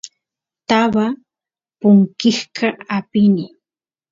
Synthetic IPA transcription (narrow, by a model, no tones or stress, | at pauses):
t̪aβa | pʊŋkɪhkʰaapɪnɪ